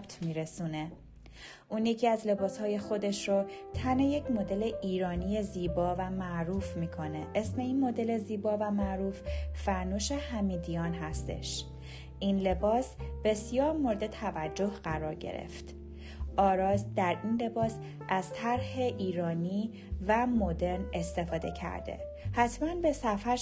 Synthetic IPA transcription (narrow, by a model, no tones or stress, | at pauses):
bt̪ʰmiːɾesune̞ | ʔuːnjecʰiæzle̞bɒːshɒːje̞xo̞d̪e̞ʃɾot̪ʰænejecmo̞d̪e̞le̞ʔiːɾɒːnije̞ziːbɒːvæmæʔɾuːfmiːkʰo̞ne̞ʔesmeinmo̞d̪e̞le̞ziːbɒːvæmæʔɾuːfːæɾnuʃehæmiːd̪ijɒːnɦæst̪e̞̰ʃ | ʔinle̞bɒːsb̥e̞sjɒːɾmo̞ɾed̪et̪ʰævæd͡ʒːo̞hɢ̥æɾɒːɾɟḛɾḛft̪ | ʔɒːɾɒːsd̪æɾʔinle̞bɒːs | ʔæz̥t̪ʰæɾhe̞ʔiːɾɒːniː | væmo̞d̪e̞ɾne̞st̪e̞fɒːd̪e̞̰cʰæ̰ɾd̪ḛ | hæt̪ʰmænbe̞sæfæɾ